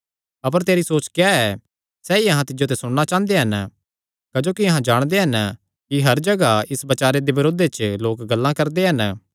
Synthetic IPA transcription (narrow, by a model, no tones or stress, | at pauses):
ɐp̬əɾt̪eːɾisoːt͡ʃkaɛ | sɛːiɐɦãt̪ɪd͡ʒot̪̬ɛsʊɽñat͡ʃãːnd̪eɦɐn | kɐd͡ʒoːkiɐɦãd͡ʒaːɽ̃d̪eɦɐn | kiɦɐɾd͡ʒɐɡaɪsbɐt͡ʃaːɾed̪ebɪɾoːd̪et͡ʃloːkɡɐlːãkɐɾd̪eɦɐn